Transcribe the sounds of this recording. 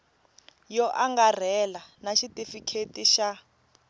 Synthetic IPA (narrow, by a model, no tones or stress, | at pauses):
jɔʔaŋɡar̤ɛlanaʃitʼifikʰetʼiʃa